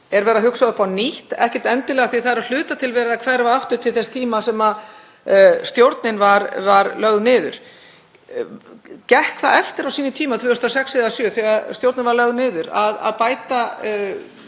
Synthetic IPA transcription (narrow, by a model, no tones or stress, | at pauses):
ɛɾvɛːɾaɦʏksaðʏpaniht̪ɛ̰hcɛ̥t̪ɛnt̪ɪlɛːɣaθiθaðɛɾal̥ʏːt̪at̪ʰɪlvɛːɾɪðakʰvɛɾvaaft̪ʏɾ̥t̪ʰɪlθɛst̪ʰiːmasɛma | st̪jowɾt̪nɪnvaɾvaɾlœɣðnɪːðʏ̰ɾ̥ | cɛhkʰθa̰ʔɛft̪ɪɾawsiːnɪt̪ʰiːmat̪ʰvʏːʏst̪asɛksɪðasjœθɛɣast̪jowɾt̪nɪnvaɾlœɣðnɪːðʏɾa̰ða̰ðpaːjt̪a